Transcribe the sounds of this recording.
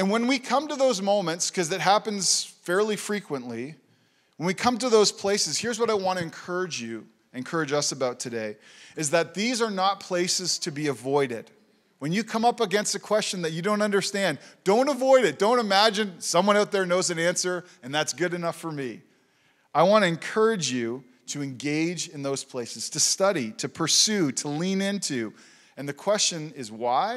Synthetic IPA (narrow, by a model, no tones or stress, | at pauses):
ɨ̃nwə̃nwikʰʌ̃mtɨðoʊzmõʊ̃mɨ̃ntskʰʌzðɨt̚ɦæpɨ̃n̩z̥fɛɹlˠifɹikwə̃nʔli | wə̃nwikʰʌ̃mtɨðoʊz̥pʰl̥eɪsɨz̥hiɹzwʌɾaɪwɑ̃ñɨɨ̃nkʰɜ˞ɨd͡ʒjʉ | ɨ̃nkʰɜ˞ɨd͡ʒʌsɨbaʊtʰɨdeɪɨzðɨt̪̚ðizə˞nət̚pʰl̥eɪsɨz̥tʰɨbiɨvɔɪɾɪd̥ | wɨ̃njɨkʰʌ̃mʌpəɡɛ̃nstɨkʰw̥ɛst͡ʃɨ̃nðɨt͡ʃɨdõʊ̃ntʌ̃ndə˞stæ̃nd̥õʊ̃ntəvɔɪɾɨt̚d̥õʊ̃ntɨmæd͡ʒɨ̃nsʌ̃mwʌ̃ɾnaʊt̪̚ðə˞noʊzɨ̃næ̃nsə˞ | ɨ̃nðætsɡ̥ʊɾɨnʌfə˞mi | aɪwɑ̃nɨɨ̃nkʰɜ˞ɨd͡ʒjʉ | ɾɨɨ̃nɡeɪd͡ʒɨ̃nðoʊz̥pʰl̥eɪsɨz̥tʰɨstʌɾiɾɨpʰə˞sʉɾəlĩnɪ̃ntʰʉ | ɨ̃nðɨkʰw̥ɛst͡ʃɨ̃nɪzwaɪ